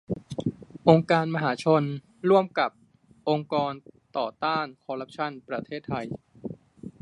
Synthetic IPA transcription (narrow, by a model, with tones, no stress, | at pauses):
ʔo˧ŋkaː˧nma˧ɦaː˩˦t͡ɕʰo˧n | ɾu˥˩əmka˨˩p̚ | ʔo˧ŋkɔː˧nt̪ɔː˨˩t̪aː˥˩nkʰɔː˧ɾa˦˥p̚t͡ɕʰa˥˩npɾa˧t̪ʰeː˥˩t̪ʰːa˧j